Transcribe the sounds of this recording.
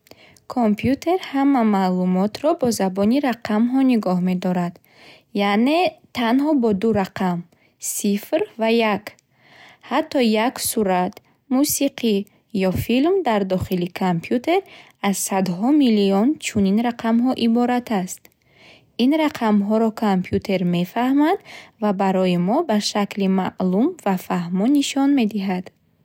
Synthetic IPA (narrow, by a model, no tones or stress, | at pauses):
kʰompʰjut̪ʰe̞ɾhamːamalumɔt̪ɾɔbɔzabɔniɾaqʰamɦɔniɡɔhme̞d̪ɔɾad̪̥ | jane̞t̪ʰanhɔbɔd̪uɾaqʰam | sifrvajak | hat̪ʰːɔjaksuɾat̪ | musiqʰi | jɔfilmd̪aɾd̪ɔχilikʰampʰjut̪ʰe̞ɾ | az̥sad̪ɦɔmiliɔnt͡ʃʰuninɾaqʰamɦɔʔibɔɾat̪ʰast̪ | inɾaqʰamɦɔɾɔkʰampʰjut̪ʰe̞ɾme̞fahmand̪vabaɾɔjimɔbaʃaklimaʔlumvafahmɔnːiʃɔnme̞d̪iɦad̪̥